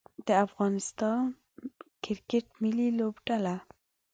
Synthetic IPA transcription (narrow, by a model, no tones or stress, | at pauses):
d̪̥əafɣɑnɪst̪ɑn | kɪɾkeʈmililobɖala